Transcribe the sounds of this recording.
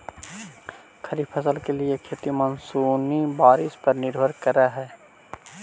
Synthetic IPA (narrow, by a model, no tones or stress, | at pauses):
kʰəɾipʰəsəlkeliekʰet̪imənsuːnibaːɾɪspəɾnɪɾbʱəɾkəɾaɦɛː